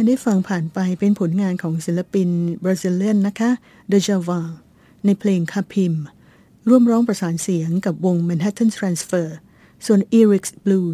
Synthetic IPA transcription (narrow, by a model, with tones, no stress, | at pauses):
a˧ndaː˥˩jfa˧ŋpʰaː˨˩npa˧jpe˧npʰo˩˦nŋaː˧nkʰɔː˩˦ŋsi˩˦nla˧pi˧nbɾaː˧si˧lːi˥˩ənːa˦˥kʰa˦˥ | daː˧t͡ɕaː˧waː˧ŋ | na˧jpʰleː˧ŋkʰaː˧pʰi˧m | ɾu˥˩əmɾɔː˦˥ŋpɾa˧saː˩˦nsi˨˩˦əŋka˨˩p̚wo˧ŋmɛː˧nɦɛ˦˥t̪ʰːa˥˩nt̪ʰɾaː˧nsfɤː˧˩ | su˨˩ənʔiː˧ɾi˦˥k̚sbluː˧